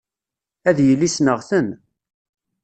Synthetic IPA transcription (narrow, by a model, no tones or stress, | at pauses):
æðjəlːisnəʁθən